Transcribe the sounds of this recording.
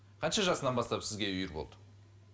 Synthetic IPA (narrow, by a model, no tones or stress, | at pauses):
qʰɑnʃɑʒɑsənɑnbɑst̪ɑpsɪzɡʲe̞ʏjɪɾbo̰lˠd̪ə̥